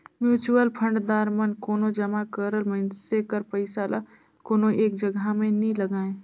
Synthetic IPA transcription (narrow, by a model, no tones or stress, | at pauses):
mjuːt͡ʃuəlpʰə̃ɳɖd̪aːɾmənkoːnod͡ʒəmakəɾəlmənsekəɾpəɪsala | koːnoʔeːk̚d͡ʒəɡʱamẽnĩləɡaːẽ